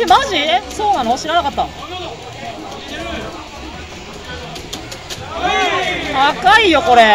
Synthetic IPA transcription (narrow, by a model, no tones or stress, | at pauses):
emaʑiso̞ːnanoɕiɾanakat̪ːa | akaijo̞ko̞ɾe̞